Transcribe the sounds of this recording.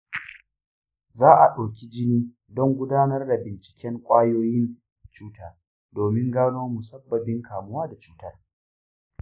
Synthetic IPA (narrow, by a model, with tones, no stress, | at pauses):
zaː˦ʔa˨ɗaː˨kʲi˦d͡ʒɪ˦niː˦ | dɔ˦ŋɡʷʊ˦daː˦nɐ˦rda˨bɪ˨nt͡ʃɪ̥˨kʲɛ˦ŋkʷʼaː˦joː˦jɪ˦n | t͡ʃuː˦taː˦ | doː˨mɪ˦ŋɡaː˦noː˦mu˨sɐ˦bːɐ˨bɪ˦ŋkʰaː˨mʊ˦waː˦da˨t͡ʃuː˦tɐ˦r